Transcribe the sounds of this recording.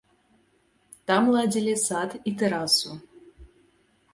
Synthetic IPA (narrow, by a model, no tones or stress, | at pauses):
t̪ɑmlˠɑdʲilʲesɑt̪it̪ɘɾɑsu